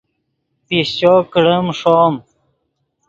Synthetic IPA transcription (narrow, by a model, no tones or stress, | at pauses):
pist͡ɕoːkəɽəmʂoːm